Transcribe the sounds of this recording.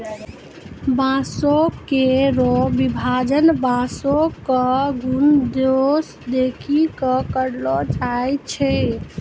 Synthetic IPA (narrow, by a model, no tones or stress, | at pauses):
bãsokeɾobibʱad͡ʒənbãsokəɡund̪os | d̪ekʰikəkəɾlɔd͡ʒajt͡ʃʰɛ